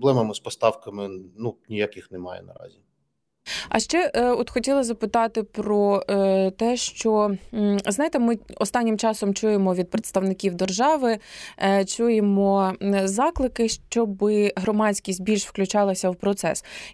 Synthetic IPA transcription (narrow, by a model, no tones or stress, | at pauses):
blˠɛmɐmɪspɔst̪ɑwkɐmɪnunʲijakʲɪxnɛmɑ̰jɛ̰nɐ̰ɾɑ̰zʲi | ɐ̰ʃt͡ʃɛʔɔt̪xɔtʲilˠɐzɐpɪt̪ɑt̪ɪpɾɔt̪ɛʃt͡ʃɔ | znɑjt̪ɛmɪɔst̪ɑnʲːɪmt͡ʃɑsɔmt͡ʃujemɔʋʲid̪̚pɾet̪st̪ɐwnɪkʲiwd̪erʒɑʋɪ | t͡ʃujemɔzɑklˠɪkɪʃt͡ʃɔbɪɦɾɔmɑt͡sʲkʲisʲt̚ʲbʲilʲʃwklʲʉt͡ʃɑlˠɐsʲɐwpɾɔt̪sɛ̰s